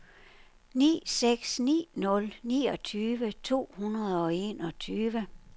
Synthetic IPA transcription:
nḭːseɡ̥snḭːnɔ̽lnḭːɒ̽t͡sʰyːʋət͡sʰo̝̰ːhunɐðˠɒ̽e̝̰ːnɒt͡sʰyːʋə

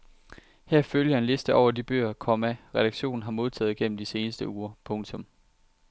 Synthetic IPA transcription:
hæɐ̰føljɐe̝nle̝sd̥əʔɒʊɐd̥ib̥ø̰ːɐkʰɒ̽mæʁɛɾ̥ɑ̈ɡ̥ɕo̝̰ːn̩ɦɑ̈mo̝ð̞ˠt͡sʰɛ̰ːð̩ˠɡ̥en̰m̩d̥ise̝ːnəsd̥əuːɐpʰɔ̽ŋt͡sʰɔ̽m

